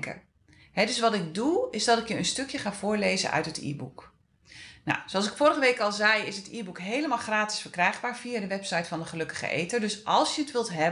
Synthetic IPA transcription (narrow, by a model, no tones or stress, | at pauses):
kə̰ | ɦɛdɵsʋɑtɪɡ̚duɪzdɑtɪkjəənstøkjəχaːv̥ʊːɹlejzə̰nʔœ̰ɥtɦətḭːbṵk | na̰wsoɑlsɪkfʊːɾəχəʋejkɑlˠzɛjɪsɦətiːbukɦejləmaːlˠχraːtɪ̥sfəɹkrɛjχbaːɹv̥iadəʋɛpsɑjtfɑndəχəlɵkə̥χə̰ʔḛjtədøsʔɑlˠsjəətʋɪlˠtɦɛ